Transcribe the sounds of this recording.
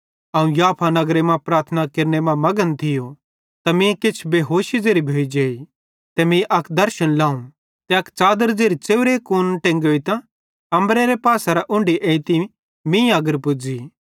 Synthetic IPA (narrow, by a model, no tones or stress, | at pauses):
ɐːũjaːpʰanɐɡɾemãpɾaːɾt̪ʰənakeɾnemãmɐɡənt̪ʰɪjo | t̪amĩkɪt͡ʃʰbeːɦoːʃid͡zeːɾibʱeːid͡ʒeːi | t̪emĩʔɐkʰd̪ɐɾʃənlãːũ | t̪eɐkt͡ʃaːd̪əɾd͡zeːɾit͡ʃeːʋɾekoːnʈẽːŋɡoːit̪ã | ɐmɾeɾepaːsaɾaʔʊ̃ɳɖiʔẽːĩt̪i | mĩaɡəɾpʊd͡ziː